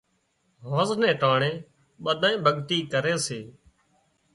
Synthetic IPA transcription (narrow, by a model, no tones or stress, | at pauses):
ɦoːznɛ̃ːʈaːɳẽː | ɓəɗ̪ʱãːẽːbʱəɠt̪iːkəɾẽːseː